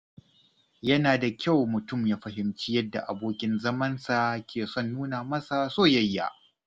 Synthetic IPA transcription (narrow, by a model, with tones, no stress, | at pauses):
jɐ˦naː˨da˨kʲa˦˨wmʊ˨tʊ˦˨mjaː˦ɸɐ˦hɪ˦mt͡ʃi˦jɐ˦dːa̰˨ʔa˨boː˦kʲɪ˦nzɐ˦mɐ˦nsa˨kʲeː˨sɔ˦˨nːuː˦naː˨mɐ˦sa˨soː˦jɐ˦jːa̰ː˦ʔ